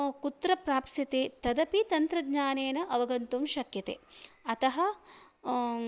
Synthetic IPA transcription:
kut̪ɾɐpɾaːpsjɐt̪eːt̪ɐd̪ɐpit̪ɐnt̪ɾɐɡɲaːneːnɐʔɐʋɐɡɐnt̪umʃɐkjɐt̪ḛːɐt̪ɐɦɐ

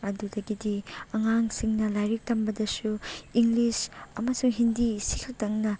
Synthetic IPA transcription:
ɐdudɐɡidiɐŋaŋsiŋnɐlajɾik̚tɐmbɐdɐsuiŋlisɐmɐsuŋɦindisikʰɐk̚tɐŋnɐ

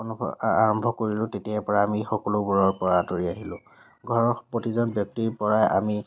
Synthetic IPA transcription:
ɔn̰a̰ɹɔmbʱɔkoɹilʊ̃tetiapɔɹaːmixɔkɔlʊbuɹɔɹpɔɹatoɹiaɦilʊ̰̃ | ɡʱɔɹɔpɹotizɔnbjɔk̚tiɹpɔɹajʔa̰mi

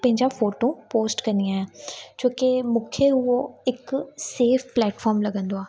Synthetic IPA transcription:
pə̃ɦɪ̃ɲd͡ʒafoːʈõpoːsʈkɐɾnɪjãɦɛ̃ːd͡ʒoːkemʊkʰːjeɦʊoɪkseːfʰplɛːʈfʰɔːɾmlɐɡə̃nd̪oaː

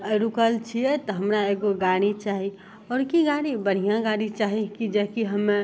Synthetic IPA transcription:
ɾukəlt͡ʃʰiet̪ɔɦəmɾaeːɡoɡaːɽ̃it͡ʃaːɦi | ɔːɾkiɡaːɽ̃ibəɽ̤ijãɡaːɽ̃it͡ʃaːɦikid͡ʒəkiɦəme

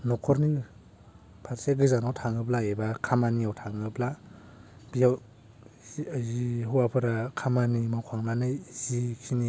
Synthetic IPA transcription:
nɔkʰɔɾni | pʰaɾseɡɯzanawtʰaŋɯblaebakʰamaniawtʰaŋɯbla | b̥ijaw | ziɦuwapʰɯɾakʰamanimawkʰaŋnanɯjzikʰini

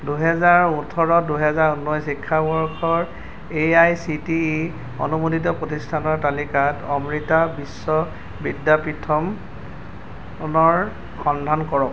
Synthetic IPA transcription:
duɦɛzaɹutʰɔɹɔduɦɛzaɹunːɔjsikʰːabɔɹkʰɔɹ | eajsiti | o̰numoditɔpɹotistʰanɔɹtalikatɔmɹitabisːɔ | bidjapitʰɔm | nɔɹ | xɔndʱankɔɹɔk

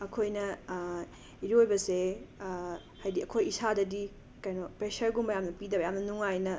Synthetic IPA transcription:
ɐkʰojnɐ | iɾiojbɐse | hajdiɐkʰojisadɐdi | kajnopɾesɐɾɡumbɐjamnɐpidɐbɐjamnɐnuŋajnɐ

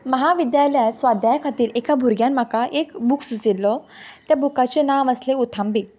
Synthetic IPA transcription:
məɦaʋid̪jaljasʋad̪jajkʰat̪iːɾekabʱuɾɡjanm̤akaʔekbuksut͡silːɔt̪jabʱukat͡ɕenaʋəsleut̪ʰãmbi

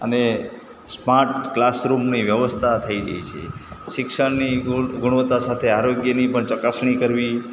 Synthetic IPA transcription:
əne | smaɾʈklasɾumniʋjəʋəst̪ʰat̪ʰəiɾə̰ɦḭt͡ʃʰḛʃɪkʃəɳniɡʊɽ̃ʋət̪asat̪ʰeaɾoɡjənipəɳt͡ʃəkasɳikəɾʋi

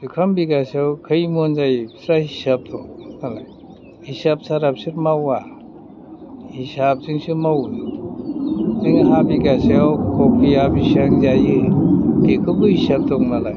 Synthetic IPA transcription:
zukʰambiɡasawkʰɯjmɔnzajsɾahisab̚dɔŋalaj | hisap̚saɾap̚sɯɾmawa | hisab̚zɯŋsɯmawn | zɯŋaɦabiɡasawkʰɔk̚ʰiabisaŋzajɯɡekʰɯbɯhisab̚dɔŋnalaj

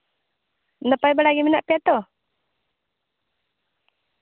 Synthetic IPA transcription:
nəpajbəɽaɡiminaʔpiat̪ɔ

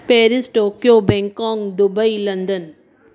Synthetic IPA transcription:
peːɾɪsʈoːkjoːbɛŋkaːŋd̪ʊbɐɪlɐnd̪ɐn

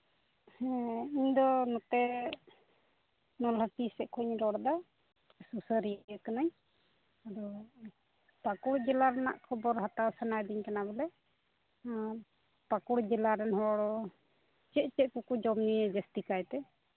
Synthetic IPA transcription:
hɛiɲd̪ɔnɔt̪ɛ | nɔlhətisɛʔkʰuɲɾɔɽd̪a | susəɾijəkanaɲ | adɔ | pakuɽd͡ʒɛlaɾɛna̰ʔkʰɔbɔɾɦat̪asanajd̪iɲkanabɛlɛ | pakuɽd͡ʒɛlaɾɛnɦɔɔɽɔ | t͡ʃɛʔ̪̚t͡ʃɛʔ̪̚kukud͡ʒɔmniɛd͡ʒɛst̪ikajt̪ɛ

